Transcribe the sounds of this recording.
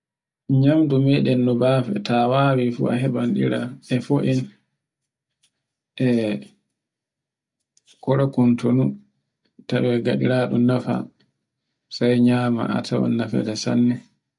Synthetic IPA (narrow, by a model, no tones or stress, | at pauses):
ɲamdumɛɗɛnːɔbafɛ̰tawaːwifṵa̰ɦɛbanɗiɾa̰ɛfoʔin | ʔɛ | kɔɾakuntonu | tawɛɡaɗiɾaːɗɔnafa̰ | sajɲama̰ʔa̰tʰawa̰nːafɛ̰dɛsa̰nːɛ